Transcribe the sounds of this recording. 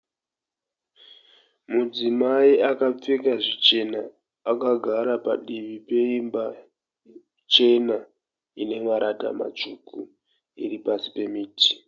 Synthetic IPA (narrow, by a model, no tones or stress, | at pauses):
mud͡zimaiakap͡fekaʐit͡ʃe̞naː | kaɡʱaɾapa̰ɗiʋipe̞imba | t͡ʃe̞na | ine̞maɾʔata̰ma̰t͡ʂuku | ḭripasi̥pe̞miːti̥